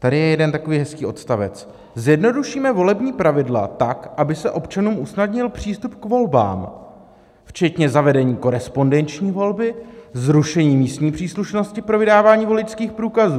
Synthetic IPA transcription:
t̪adɪjɛjɛdɛnt̪akoviːɦɛskiːo̞t̪st̪avɛ̰t͡s | zjɛdno̞duʃiːmɛvo̞lɛbɲiːpɾavɪdla̰t̪akʔabɪsɛʔo̞pt͡ʃanuːmʔusnadɲɪlpr̥iːst̪upkvo̞lba̰ːm | ft͡ʃɛt̪ɲɛzavɛdɛɲiːko̞ɾɛspo̞ndɛnt͡ʃɲiːvo̞lbɪzɾuʃɛɲiːmiːst̪ɲiːpr̥iːsluʃno̞scɪpɾo̞vɪdaːvaːɲiːvo̞lɪt͡ʃskiːxpɾuːkazuː

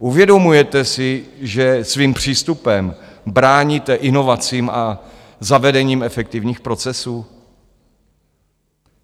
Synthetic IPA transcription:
ʔuvjɛdomujɛt̪ɛsɪʒɛsviːmpr̝̥iːst̪upɛmbɾaːɲiːt̪ɛʔɪno̞vat͡siːmʔa | zavɛdɛɲiːmɛfɛk̚t̪ɪvɲiːxpɾo̞t͡sɛsuː

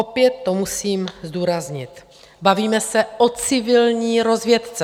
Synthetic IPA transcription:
opjɛt̪ːomusiːmzd̪uːɾazɲɪt̪ | baviːmɛsɛʔot͡sɪvɪlɲiːɾo̞zvjɛt̪t͡sɛ

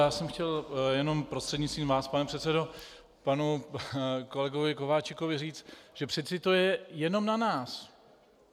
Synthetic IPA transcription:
jaːsɛmxcɛljɛno̞mpɾost̪r̥ɛd̪ɲɪtt͡sst̪viːmvaːspanɛpr̝̥ɛt̪t͡sɛdo̞ | panu | ko̞lɛɡo̞vɪko̞vaːt͡ʃɪko̞vɪriːt͡st̪ʒ̥ɛpr̝̥ɪt͡sɪt̪o̞jɛjɛno̞mnanaːs

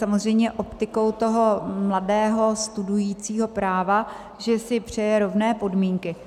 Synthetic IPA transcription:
samo̞zr̝ɛjmɲɛʔo̞pt̪ɪko̞wt̪o̞ɦo̞mladɛːɦo̞st̪udujiːt͡siːɦo̞pɾaːva | ʒɛsɪpr̝̥ɛjɛɾo̞vnɛːpo̞dmiːŋkɪ

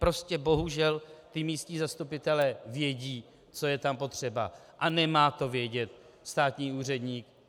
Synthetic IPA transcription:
pɾo̞scɛbo̞ɦuʒɛlt̪ɪmiːscɲiːzast̪upɪt̪ɛlɛvjɛɟiː | t͡so̞jɛt̪ampo̞t̪r̝̥ɛba̰ | ʔanɛmaːt̪o̞vjɛɟɛt̪̚ | st̪aːt̪ɲiːuːr̝ɛd̪ɲiːk

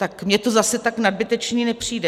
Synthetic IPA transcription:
t̪akmɲɛt̪ozasɛt̪aknad̚bɪt̪ɛt͡ʃniːnɛpr̝̥iːdɛ

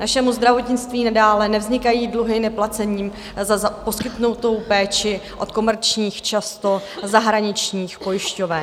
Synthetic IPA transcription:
naʃɛmuzd̪ɾavo̞t̪ɲɪt͡st̪viːnadaːlɛnɛvzɲɪkajiːdluɦɪnɛplat͡sɛɲiːm | zazapo̞skɪt̪nut̪o̞wpɛːt͡ʃɪʔo̞̰t̪ko̞mɛɾt͡ʃɲiːxt͡ʃast̪o̞zaɦɾaɲɪt͡ʃɲiːxpo̞jɪʃcovɛ

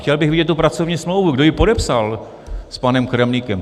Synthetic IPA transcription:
xcɛlbɪɣvɪɟɛt̪t̪ːupɾat͡so̞vɲiːsmlowvuɡdo̞jɪpo̞dɛpsal | spanɛmkɾɛmnikɛm

